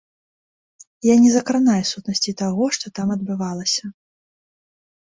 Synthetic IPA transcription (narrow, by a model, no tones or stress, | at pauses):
janʲɛzɐkɾanajɛsut̪nɐsʲt͡sʲit̪aɣɔʂt̪ɔt̪amɐd̪bɨvalˠɐsʲɐ